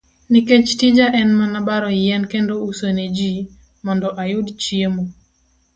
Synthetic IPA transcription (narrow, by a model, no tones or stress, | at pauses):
niket͡ʃtid͡ʒaʔɛnmanabaɾɔjɛnkendousoned͡ʒi | mɔndɔʔajʊdt͡ʃiemo